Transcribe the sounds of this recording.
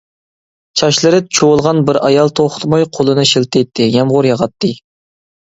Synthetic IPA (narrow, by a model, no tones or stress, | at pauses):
t͡ʃʰɑʃlˠɨɾɨt͡ʃʰowlˠʁɑnbɪɾɑjɑlˠt̪ʰoχt̪mɑjqʰolˠɨnɨʃilt̪ʰejt̪ʰːɪjɛmʁʊɾjɑʁɑt̪ʰːɨ